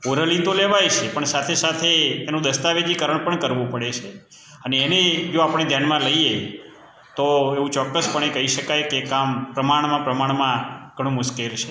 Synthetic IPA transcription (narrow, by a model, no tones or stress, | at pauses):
poɾəlit̪oleʋajt͡ʃʰepəɳsat̪ʰesat̪ʰeːnũd̪əst̪aʋed͡ʒikəɾəɳpəɳkəɾʋũpəɽet͡ʃʰe | əneːned͡ʒoapɳ̃ed̪ʱjanmãləie | t̪oeʋũt͡ʃɔkːəspəɳ̃ekəɦiʃəkajkekampɾəmaɳmãpɾəmaɳmãɡ̥ʱəɽ̃ũmʊʃkelt͡ʃʰe